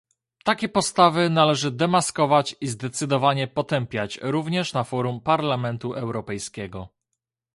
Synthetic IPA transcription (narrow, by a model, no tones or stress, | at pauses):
t̪akʲɛpɔst̪avɘnalɛʐɘd̪ɛmaskɔvat͡ɕizd̪ɛt̪sɘd̪ɔvaɲɛpɔt̪ɛmpʲjat͡ɕɾuvɲɛʂnafɔɾumpaɾlamɛnt̪uʔɛwɾɔpɛjskʲɛɡɔ